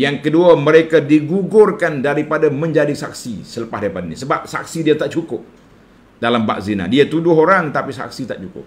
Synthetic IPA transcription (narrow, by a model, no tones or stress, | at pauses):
jaŋkəduaməɾekadiɡuɡʊrkandaɾipadaməɲd͡ʒadisa̰k̚sisələpaɦdaipadanisəbap̚sa̰k̚sidiat̪aʔt͡ʃukʊp̚ | dalamba̰k̚zina̰diat̪udʊɦoɾaŋt̪apisa̰k̚sit̪aʔt͡ʃukʊ̰p̚